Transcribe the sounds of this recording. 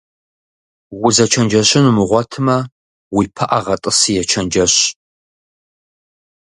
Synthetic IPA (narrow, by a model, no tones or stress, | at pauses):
wʊzɐt͡ʃʰɐnd͡ʒɐɕʼɪnumɨʁʷɔtʰɨmɐ | wipʰɐʔɐʁɐtʼɨsijɛt͡ʃʰɐnd͡ʒɐɕ